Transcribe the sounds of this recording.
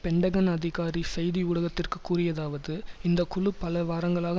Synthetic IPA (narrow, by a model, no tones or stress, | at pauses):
pɛɳɖɐɣɐnɐðɪɣaːɾisɛjðiʊɭɐɣɐt̪ːɪrkɯkːuːrɪjɐðaːʋɐðɯɪnd̪ɐkʊɭɯpɐlɐʋaːɾɐŋɡɐɭaːɣɐ